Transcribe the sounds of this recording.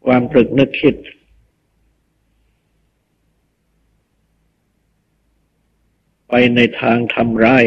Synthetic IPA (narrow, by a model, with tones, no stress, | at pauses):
kʰwaː˧mt̪ɾu˨˩k̚nɯ˦˥˩k̚ʰːi˦˥˩t̪̚ | pa˧jna˧jt̪ʰaː˧ŋt̪ʰa˧mɾaː˥˩j